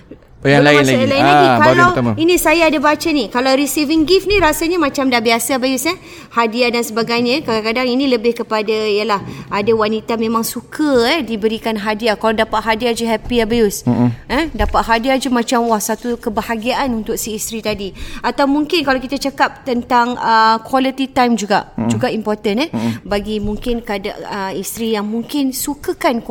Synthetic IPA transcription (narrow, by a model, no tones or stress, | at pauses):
jalaianalaiaikalawt̪inĩsajaadabat͡ʃanikalawɾisiviŋɡifnĩɾasaɲamãt͡ʃamdabiasabajusa | hadiadansəbaɡajɲãkaɡaŋkadaŋinĩləbɪhkəpadaijəlahadawanit̪amẽmãŋsukʰəɛdibəɾikanɦadiakaladapaʔ̪̚ɦadiad͡ʒəɦɛpiabajusɛdapaʔ̪̚ɦadiad͡ʒəmãt͡ʃamwahsat̪ukəbəhaɡiaʔanunt̪ʊk̚siːst̪ɾit̪adiat̪awmuŋkɪnkalawkit̪at͡ʃakap̚t̪ənt̪aŋəkwalit̪it̪ajmd͡ʒuɡaʔd͡ʒuɡaʔimpɔrt̪ənɛbaɡimuŋkɪnkada̰əist̪ɾijaŋmuŋkɪnsukəkank